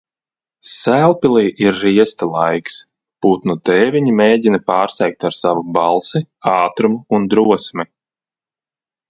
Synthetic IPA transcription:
sælˠpilˠiːʔiɾːiɛst̪alˠajks | put̪nut̪ɛːvʲiɲimeːdʲinapaːɾsɛjk̚t̪aɾsavubɑlˠsi | ɑːt̪ɾumuund̪ɾuɔsmi

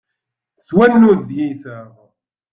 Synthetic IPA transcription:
swænːuzd̪jiθæ

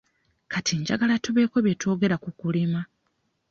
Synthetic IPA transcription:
kʰatʰiɲɟa̰ɡalatuβe̞ːko̞βjetʰo̞ːɡe̞ɾakukulima

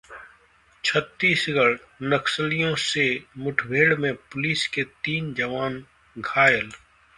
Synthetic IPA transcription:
t͡ʃʰət̪ːiːsɡəɽ | nəksəlijõsemʊʈʰbʱeːɽmẽpʊliːsket̪iːnd͡ʒəʋaːn | ɡʱaːjəl

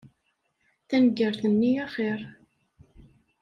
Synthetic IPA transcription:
θænəɡəɾθənːijæχeɾˤ

